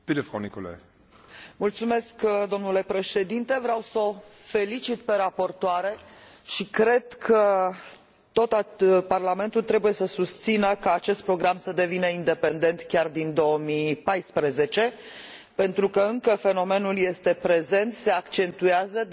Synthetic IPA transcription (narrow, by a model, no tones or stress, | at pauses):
pit̪efɾa̰wniko̰la̰j | mult̪sume̞skd̪o̞mnule̞pɾe̞ʃe̞d̪int̪e̞vɾeawsəofe̞lit͡ʃit̪pe̞ɾapo̞rt̪oaɾe̞ʃikɾe̞d̪kʰə | t̪o̞t̪aparlame̞nt̪ult̪ɾe̞buje̞səsust̪sinəkaːt͡ʃe̞st̪̚pɾo̞ɡɾamsəd̪e̞vinəind̪e̞pe̞nd̪ent̪kʲard̪ind̪o̞omipajspɾəze̞t͡ʃe̞ | pe̞nt̪ɾukəɨŋkəfe̞no̞me̞nulje̞st̪e̞pɾe̞ze̞nt̪se̞akt͡ʃe̞nt̪ueazə